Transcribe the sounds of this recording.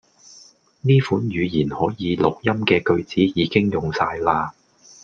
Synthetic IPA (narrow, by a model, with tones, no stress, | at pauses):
niː˥fuː˨˥njyː˨˧jiː˨˩nhɔː˨˥jiː˨˧˦lʊ˨k̚jɐ˥mkɛː˧kɵ˧ɥt͡siː˨˥jiː˨˧kɪ˥ŋjʊ˨ŋsaː˧jlaː˧